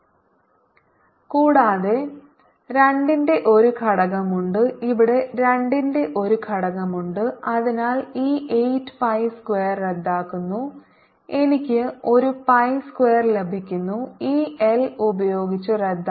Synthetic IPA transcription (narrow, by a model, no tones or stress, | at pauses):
kuːɽaːðe̞ | ɾeɳɖinde̞ʔo̞ɾukʰɐɽɐɣɐmuɳɖɨiʋiɽe̞ɾeɳɖinde̞ʔo̞ɾukʰɐɽɐɣɐmuɳɖɨɐðinaːliːʔejtːɨ̥pɐjskwejɐrːed̪ːaːkːunːu | e̞nikʲːɨo̞ɾupɐjskwejɐrlebʱikʲːunːuiːelubɐjo̞ːɡit͡ɕːɨred̪ːa